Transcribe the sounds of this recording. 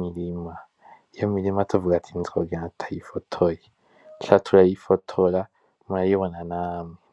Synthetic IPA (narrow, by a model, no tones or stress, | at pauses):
milima | jomilimatʰovuɡatʰinzoɡeatʰajifotʰoje | ɬatʰulajifotʰola | maajoβonanami